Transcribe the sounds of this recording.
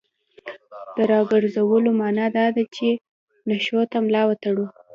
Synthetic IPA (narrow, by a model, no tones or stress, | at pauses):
d̪̥əɾɑɡəɾzawəlomɑnɑd̪ɑd̪at͡ʃe | naʃot̪amlɑwat̪aɽu